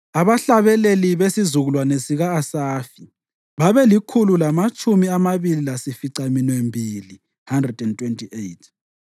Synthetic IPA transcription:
aβaɬaβɛleliβesizuɣulwanesiɣaːsaːfi | βaβɛlikʰululamat͡ʃʼumiamaβililasifiǀaminwembʱiːli | handrɛdɛntʰʼwentʼʰiʔejtʰ

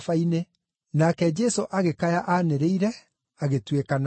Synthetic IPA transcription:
faine | nakɛd͡ʒɛsoʔaɣekajaʔaːneɾeiɾɛ | aɣetwekana

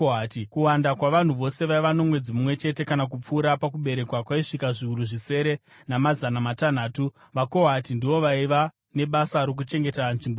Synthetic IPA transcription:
atikuwandakwaʋan̤uʋo̞se̞ʋaiʋano̞mwe̞d͡zimumwe̞t͡ʃe̞te̞kanak̬up͡fuːɾapakuɓe̞ɾe̞kwakwaiʂikaʐiuɾuʐise̞ɾe̞ | namazanamatan̤aːtu | ʋako̞ɦatindiʋo̞ʋaiʋa | ne̞ɓasaɾok̬ut͡ʃe̞ŋɡe̞tanʐimbo

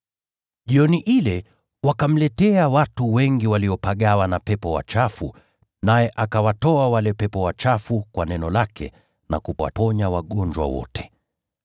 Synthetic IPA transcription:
ʄiɔniʔilɛ | wakam̩lɛtɛawatuwɛŋɡiwaliɔpaɠawanapɛpɔwa̰t͡ʃafu | najɛʔakawatɔawalɛpɛpɔwat͡ʃafukwanɛnɔlakɛ̰ | na̰kuwa̰pɔɲawaɠɔɲd͡ʒwa̰wɔ̰tʰɛ̥

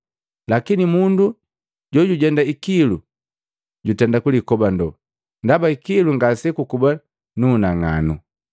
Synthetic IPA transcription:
lakinimundu | ɟɔɟuɟɛndaikilu | ɟutɛndakulikɔbandɔ | ndabaikiluŋɡasɛkukuba | nuːnaŋa̰nṵ

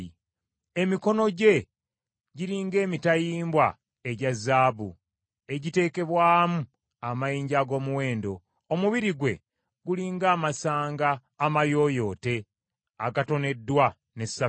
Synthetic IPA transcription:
emiko̞no̞ɟe̞ | ɟiɾiːŋɡe̞ːmitajiːmbwa | e̞ɟazːaːβṵ | e̞ɟite̞ːke̞βwaːmu | amajiːɲɟaɡo̞ːmuwe̞ːndo̞ː | muβiɾiɡwe̞ | ɡuliːŋɡaːmasaːŋɡaː | majo̞ːjo̞ːte̞ | akato̞ne̞dːwa | nesa

